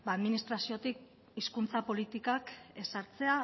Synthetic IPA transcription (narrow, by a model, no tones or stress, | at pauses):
baðminist̪ɾasio̞t̪ik | iskunt͡sapo̞lit̪ikake̞saɾt͡se̞a